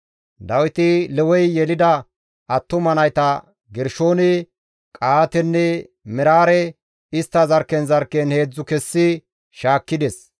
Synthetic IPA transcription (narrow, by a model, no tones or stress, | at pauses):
d̪ɐwɪt̪ɪlɛwɔjjɛlɪd̪ɐ | ɐt̪ːʊmɐnɐjt̪ɐ | ɡɛɾʃo̞ːnɪ | kʼaːt̪ɛnːɛ | mɪɾaːɾɛ | ɪst̪ːɐzɐɾkːɛnzɐɾkːɛnhe̞ːd͡zːʊkɛsːɪ | ʃaːkːɪd̪ɛs